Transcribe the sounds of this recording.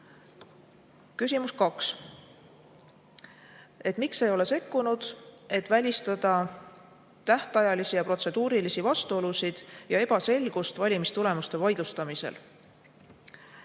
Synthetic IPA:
kysʲimuskɑks | e̞t̪ːˑmikse̞jo̞le̞se̞kːunud̪̥e̞t̪ːˑvælʲist̪ɑd̪̥ɑ | t̪æht̪ɑjɑlisijɑpro̞t̪se̞d̪uːɾilisivɑst̪uo̞lusid̪̥jɑe̞b̥ɑse̞lɡ̥ust̪vɑlʲimist̪ule̞must̪e̞vɑjd̪̥ust̪ɑmise̞̰l

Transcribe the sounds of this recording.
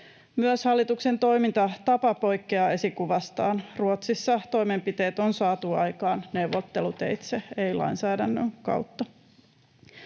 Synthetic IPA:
myøshɑlːit̪ukse̞nt̪o̞imint̪ɑt̪ɑpɑpo̞jkːeɑe̞sikuʋɑst̪ɑːnruot̪sisːɑt̪o̞jme̞mpit̪e̞ːt̪onsɑːt̪uɑjkɑːnne̞wʋːot̪ːelut̪e̞̰jt̪seeilɑ̰insæːdænːø̰ŋkɑ̰uwt̪ːɑ

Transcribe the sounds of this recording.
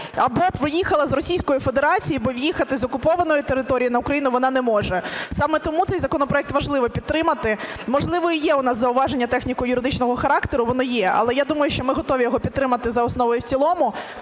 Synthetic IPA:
ɐbɔpʋɪjixɐlˠɐzrɔsʲijsʲkɔjifed̪eɾɑt͡sʲijibɔʋʲjixɐt̪ɪzɔkʊpɔʋɐnɔjʊt̪eɾɪt̪ɔɾʲijinɐʊkɾɐjinʊʋɔnɑnɛmɔʒɛsɑmɛt̪ɔmut̪ɛjzɐkɔnɔpɾɔɛk̚t̪ʋɐʒlˠɪʋɔpʲid̪̚t̪ɾɪmɐt̪ɪ | mɔʒlˠɪʋɔijɛʊnɑszɐʊʋɑʒenʲːɐt̪ɛxnʲikɔjʊɾɪd̪ɪt͡ʃnɔɦɔxɐɾɑkt̪eɾʊʋɔnɪjɛɐ̰lˠɛjad̪umɐjʊʃt͡ʃɔmɪɦɔt̪ɔʋʲijɔɦɔpʲid̪̚t̪ɾɪmɐt̪ɪzɐɔsnɔʋɔjʊwt͡sʲilˠɔmʊ

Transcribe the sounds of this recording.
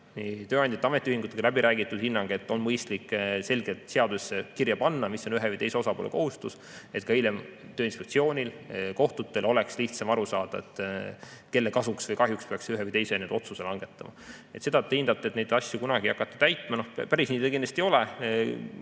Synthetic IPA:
nit̪øːɑnd̪̥ʲɑt̪ːɑme̞t̪ʲːˑiyhiŋɡ̥ut̪ːˑe̥ilæbiɾʔæːɡit̪ːˑud̥̪hinːɑŋɡ̥e̞t̪ːˑo̞nmɤjst̪likːse̞lɡ̥et̪ˑseɑd̪̥usːekirjɑpɑnːɑmisːo̞nyɦevɨjt̪e̞jseo̞sɑpo̰ːlḛko̞hust̪us | e̞t̪̚kɑilem | t̪øːinspek̚tsio̞ːnʲilko̞ht̪ut̪ːˑe̞lo̞le̞ksliçht̪sɑmɑɾusɑːd̪̥ɑḛt̪ːˑ | ke̞lːekɑsuksvɤjkɑɦjukspeɑksyɦevəjt̪e̞jsened̪o̞t̪suselɑŋɡ̥e̞t̪ːˑɑmɑ̰et̪sed̪ɑt̪ːˑeind̪ɑt̪ːˑet̪ned̪ɑsʲjukunɑɡ̥iɑkːˑɑt̪ˑːɑ̥t̪æjt̪ːˑmɑno̞hpæɾisniːd̪ekind̪̥ɑst̪ijo̞le

